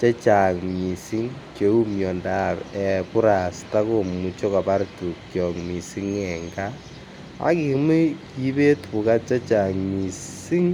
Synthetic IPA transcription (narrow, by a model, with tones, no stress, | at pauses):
t͡ʃe˦t͡ʃa˨ŋmi˨si˦ŋke˨˦u˦mjɔ˨nda˦pɛ˨pu˦ɾa˨sta˦ko˨mu˨t͡ʃo˦ka˨pa˦ɾtu˨kjɔ˨ŋmi˨si˦ŋɛ˨ŋɡa˦ | a̰˦ki˨mu˦ki˦be˦tu˨ka˦t͡ʃa˦t͡ʃa˨ŋmi˨s | i˦ŋ